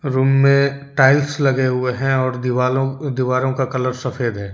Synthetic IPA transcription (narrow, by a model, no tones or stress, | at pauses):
ɾuːmːẽʈaːɪlslɐɡeɦʊeɦɛ̃ɔːɾaːlõd̪iʋaːɾõkakɐləɾsɐfʰeːd̪ɦɛː